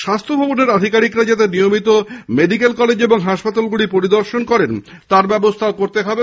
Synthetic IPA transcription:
ʃast̪ʰobʱɔboneɾad̪ʱikaɾikɾad͡ʑat̪̬enijomit̪omeɖikelkɔled͡ʑeboŋɦaʃpat̪alɡuɽipoɾid̪oɾʃonkɔɾen | t̪aɾbɛbost̪ʰaokoɾt̪eɦɔbe

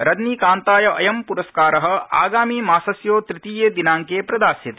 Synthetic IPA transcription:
ɾɐd̪niːkaːnt̪aːjɐʔɐjɐmpuɾɐskaːɾɐɦɐ̆a̰ːɡaːmiːmaːsɐsjoːt̪ɾit̪iːjeːd̪inaːŋkeːpɾɐd̪aːsjɐt̪e

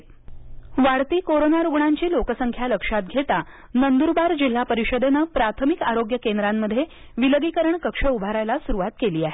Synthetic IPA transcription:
ʋaɽt̪iːkoɾonaɾuɡɳaɲt͡ɕiːlokəsəŋkʰjaləkʂat̪̚ɡʱet̪a | nənd̪uɾbaɾd͡ʑil̤ːapəɾiɕəd̪enəpɾat̪ʰəmikaɾoɡjəkend̪ɾamːəd̪ʱːje | ʋiləɡikəɾəɳkəkʂəubʱaɾajlasuɾuʋat̪keliːaɦe

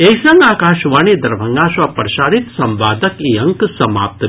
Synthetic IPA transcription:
esɐŋɡaːkaːʃʋaːnid̪ɐɾbʱɐŋɡaːʃʋaːpɾɐʃaːɾit̪sɐmʋaːd̪ɐkiɐŋksɐma̰ːp̚t̪

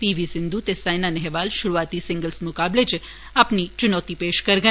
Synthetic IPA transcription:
piʋisɪnd̪ut̪esajnanɛɦɛʋalʃʊɾuat̪isɪ̃ŋɡəlsmʊkablet͡ʃ | apnit͡ʃʊnɔt̪ipeʃkəɾɡə

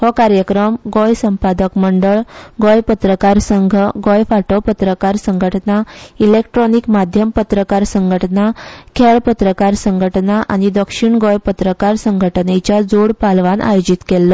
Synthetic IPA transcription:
hɔkaɾjəkɾəmɡɔjsəmpad̪əkməɳɖəɭɡɔjpət̪ɾəkaɾsəŋɡʱɡɔjfaʈopət̪ɾəkaɾsəŋɡʱəʈnailekʈɾɔnikmad̪ʱjəmpət̪ɾəkaɾsəŋɡʱəʈnakʰeɭpət̪ɾəkaɾsəŋɡʱəʈnaʔa̰ñid̪əkʂiɳɡɔjpət̪ɾəkaɾsəŋɡʱəʈnet͡ɕjad͡zoɽpalʋanʔa̰jod͡ʑit̪kelːɔ

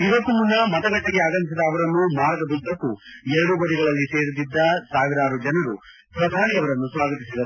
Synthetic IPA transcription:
iʋɐkːumunːɐmɐt̪ɐɡɐʈːɛɡeaːɡɐnis̬id̪ɐːʋɐɾɐnːumaːɾɡɐd̪ut̪ːɐkːuɛɾɐɽubɐɽiɡɐɭɐlːise̞ːɾud̪id̪ːɐsaːʋiɾaːɾud͡ʒɐnɐɾu | pɾɐd̪ʱaːɾiɐʋɐɾɐnːusʋaːɡɐt̪isid̪ɐɾu

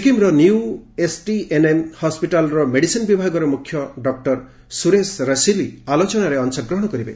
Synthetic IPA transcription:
kimɾɔniuesʈiʔenemhɔspiʈalɾɔmeɽisinbibʱaɡɔɾɔmukʰjɔɖɔk̚ʈɔɾ | suɾesɾasilialot͡ʃɔnaɾeɔnsɔɡɾɔɦɔɽ̃ɔkɔɾibḛ

